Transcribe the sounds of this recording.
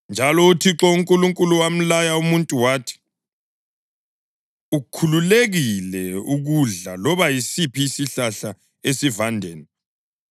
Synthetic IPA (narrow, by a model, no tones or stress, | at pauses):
nd͡ʒʱalɔutʰiǁɔuŋkʼuluŋkʼuluwam̩lajaumuntʼuwaːtʰi̥ | ukʰululeɣilɛuɣuɮa̰lɔβajisipʰiːsiɬaɬa | esivandʱeːni